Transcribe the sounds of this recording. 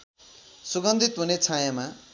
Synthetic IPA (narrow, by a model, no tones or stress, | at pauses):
suɡʌnd̪ʱit̪ɦunet͡sʰajama